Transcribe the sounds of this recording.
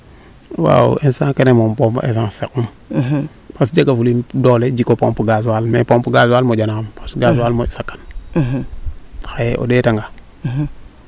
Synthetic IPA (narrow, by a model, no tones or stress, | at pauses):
wa̰ensãkenemompompa̰ʔes̬aŋsekum | pasd͡ʒaɡafulimdoled͡ʒikːopompuɡas̬almepompuɡaswalmod͡ʒanampḁsɡaswalmosakːḁn | xaʔo̰detaŋɡa